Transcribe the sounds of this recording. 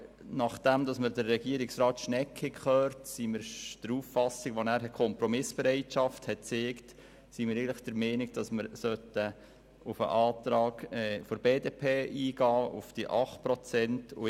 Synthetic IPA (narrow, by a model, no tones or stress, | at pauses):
nɑχd̥æmd̪ɑsməɾdərːɛɡiəɾɪksɾɑːt̪ʃnɛkːɪkχœːɾtsimɪɾd̥əɾuːfːɑsɪɡʋonæːɾɛkʰɔmpɾɔmɪsb̥ɛɾɛɪtʃɑfthɛt̚t͡seːkt | simɪɾɛɪəlɪχd̥əɾmɛɪnɪɡ̚d̥ɑsməɾsœtə | ʊfə̰ʔɑːt̪ɾɑːɡ̥ɛfoɾbeːdeːpʰeːʔiːɡɑːʔʊ̰fd̥iʔɑχt̚pɾɔt͡sɛntʊ